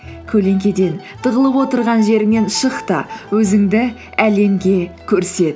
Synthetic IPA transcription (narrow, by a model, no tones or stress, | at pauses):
kʲʰɵle̞ŋkʲe̞d̪e̞n | d̪̥ʰəʁəlˠəpwo̞t̪əɾʁɑnʒe̞ɾɪŋe̞nʃəqt̪ɑwɵzɪŋd̪ɪ | æle̞mɡʲe̞kʲʰɵɾse̞d̪ɪ